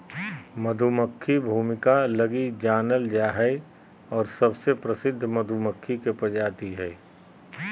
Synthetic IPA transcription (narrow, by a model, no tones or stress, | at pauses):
məd̪ʱuməkʰːibʱuːmɪkalɐɡid͡ʒaːnəld͡ʒaːɦɛ | ɔːɾsɐbsepɾəsɪd̪ʱːmɐd̪ʱuməkʰːikepɐd͡ʒaːt̪iɦɛː